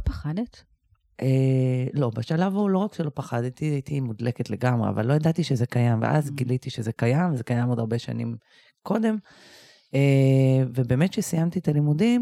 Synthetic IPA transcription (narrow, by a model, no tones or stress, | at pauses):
paχanet̪ | ʔelo̞baʃalavaulo̞ʁakʃelo̞paχad̪t̪iait̪ʰimud̪leket̪le̞ɡamʁea̰va̰lːo̞jad̪at̪iʃezekajamvḛʔa̰zɡilit̪iʃezekajamzekajamo̞d̪aʁbeʃa̰nḭm | kʰo̞d̪e̞m | evebe̞ːme̞t̪ʃesijamt̪iet̪alimudim